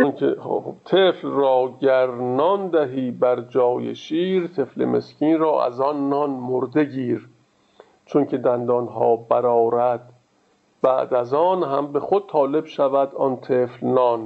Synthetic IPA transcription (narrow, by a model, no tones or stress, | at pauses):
onkʰeoob̥t̪ʰeflrɒːɟæɾnɒːnd̪æɦiːbæɾd͡ʒɒːjḛʃiːɾt̪ʰe̞flḛmḛskiːnɾɒːʔæ̰zɒnːɒnmoɾd̪e̞ɟiːɾ | t͡ʃʰoncʰe̞d̪ænd̪ɒnɦɒ̰ːbæɾɒːɾæd̪̥̚ | b̥æ̰ʔd̪æzɒːnɦæmbe̞xod̪̥̚t̪ʰɒːle̞bʃævæd̪ɒnt̪ʰeːflnɒːn